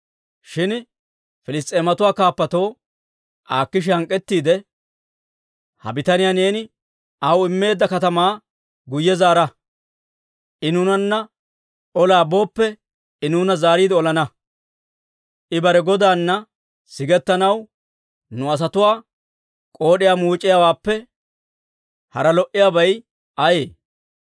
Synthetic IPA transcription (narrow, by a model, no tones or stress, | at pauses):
ʃɪn | fɪlɪs̬t̪ʼːeːmɐt̪ʊwaːkaːpːɐt̪oː | ʔaːkːɪʃ̬ɪhɐŋkʼːɛt̪ːiːd̪ɛ | hɐ̰bɪt̪ɐnɪjaneːnɪ | ɐwɪmːe̞ːd̪ːɐkɐt̪ɐmaː | ɡʊjːɛzaːɾɐ | ʔɪnunɐnːɐ | ɔlaːbo̞ːpːɛ | ɪnuːnɐzaːɾiːd̪ɪɔlɐnɐ | ʔɪbɐɾɛɡɔd̪aːnːɐ | sɪɡɛt̪ːɐnɐw | nʊɐs̬ɐt̪ʊwaː | kʼo̞ːɗɪjaːmuːt͡ʃʼːɪjawaːpːɛ | hɐɾɐlɔʔɪjaːbɐj | ɐjḛː